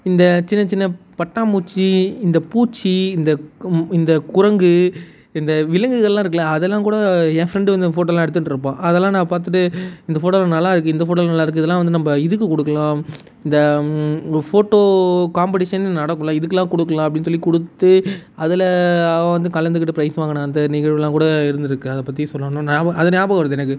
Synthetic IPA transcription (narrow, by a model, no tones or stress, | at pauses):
ɪnd̪ɐt͡ʃɪnːɐt͡ʃɪnːɐpɐʈːaːmuːt͡ʃːiɪnd̪ɐpuːt͡ʃːiɪnd̪ɐɪnd̪ɐkʊɾɐŋɡɯ | ɪnd̪ɐʋɪlɐŋɡɯɣɐɭlːãːɪɾɯkːɐlãːɐðɛlːãːkuːɽɐẽfɾɛɳɖɯʋɐnd̪ɯfoːʈ̬ːoːlãːɛɽɯt̪ːɯɳʈɾɾɯp̬ːõːʔɐðɛlːãːnãːpaːɾt̪ɯʈːɯɪnd̪ɐfoːʈːoːlɐnɐlːaːɪɾɯkːɯɪnd̪ɐfoːʈ̬ːoːlnɐlːaːɪɾɯkːɯɪðɛlːãːʋɐnd̪ɯnɐmːɐɪðɯkːɯkɔɽɯkːɐlãː | ɪnd̪ɐ | foːʈːoːkaːmpɐʈɪʂɐnnɐɽɐkːɯ̃lãːɪðɯkːɐlːãːkɔɽɯkːɐlãːɐpːɐɽɪnːɯs̬ɔlːikɔɽɯt̪ːɯɐðɪlɐɐ̃ʋɐnd̪ɯkɐlɐnd̪ɯk̬ɪʈːɯpɾɐɪsʋaːŋɡɐnãːɪnd̪ɐnɪɣɐɻlːãːkuːɽɐɪɾɯnd̪ɪɾɯkːɯɐðɐpːɐt̪ːisɔlːɐñːnaːɐɐðɐnjaːbɐɣɐʋɐnd̪ɯɛnɐkːɯ